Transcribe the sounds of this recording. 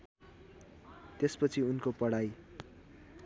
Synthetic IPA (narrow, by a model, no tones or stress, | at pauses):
t̪espʌt͡sʰiunkopʌɽaj